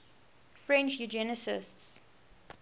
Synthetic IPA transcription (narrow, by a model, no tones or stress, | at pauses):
fɹɛ̃nt͡ʃjud͡ʒɛnəsɪ̰sts